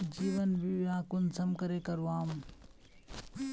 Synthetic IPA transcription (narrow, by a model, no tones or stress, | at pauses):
d͡ʒiːʋənbiʋjãːkʊnsəmkəɾeːkəɾuaːm